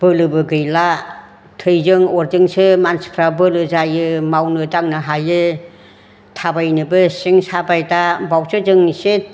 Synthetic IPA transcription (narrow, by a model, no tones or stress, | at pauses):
b̥ɯlɯbɯɡɯjla | tʰɯjzɯŋɔɾdɯŋsɯmanspʰɾabɯlɯzajɯmawnɯdaŋnɯɦajɯ | tʰabajnɯbɯsiŋsabajdabawsɯd͡ʒɯŋsi